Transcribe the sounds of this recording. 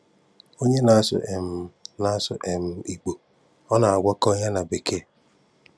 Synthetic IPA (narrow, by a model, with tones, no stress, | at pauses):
o˦ɲe˦na˨a˦sʊ̰˨ʔe˨m̩˨na˨˦sʊ̰˨ʔe˨m̩˦i˨ɡ͡bo˨ | ɔ˦na˨a˨ɡʷa˦kɔ˦ɲa˦na˨be˨kʰe˦˨